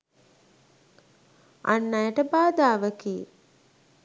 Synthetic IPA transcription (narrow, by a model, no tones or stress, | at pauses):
a̰nːajəʈəbaːd̪aːʋəkiː